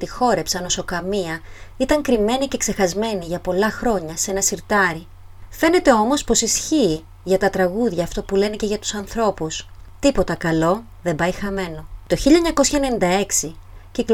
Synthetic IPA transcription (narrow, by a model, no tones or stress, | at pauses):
t̪ixo̞ɾe̞psɐno̞so̞kɐmiɐit̪ɐŋkɾime̞nice̞kse̞xɐzme̞niʝɐpo̞lɐxɾo̞ɲɐse̞nɐsiɾt̪ɐɾi | fe̞ne̞t̪e̞o̞mo̞spo̞sisçiː | ʝɐt̪ɐt̪ɾɐɣuðʝɐːft̪o̞pule̞nece̞ʝɐt̪u̥sɐnθɾo̞pust̪ipo̞t̪ɐkɐlo̞ | ðe̞mbɐjxɐme̞no̞t̪o̞çiʎɐɲɐko̞sçɐene̞nind̪ɐe̞ksi | cik